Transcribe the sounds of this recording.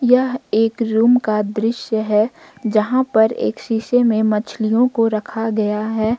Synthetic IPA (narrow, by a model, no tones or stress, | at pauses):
jɐɦeːkɾuːmkad̪ɾɪʃjəɦɛ | d͡ʒɐɦãpɐɾḛːkʃiʃemẽmɐt͡ʃʰlijõkoɾɐkʰaɡɐjaɦɛː